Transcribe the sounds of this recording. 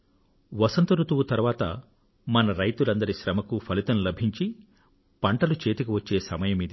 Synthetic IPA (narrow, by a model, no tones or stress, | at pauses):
ʋɐsɐnt̪ɐɾut̪uwut̪ɐɾʋaːt̪ɐ̰ | mɐnɐɾɐjt̪ulɐnd̪ɐɾiʃɾɐmɐkupʰɐlit̪ɐnulɐbʱiɲt͡ʃi | pɐɳʈɐlut͡ʃe̞ːt̪ikuʋɐt͡ʃːe̞ːsɐmɐjɐmid̪i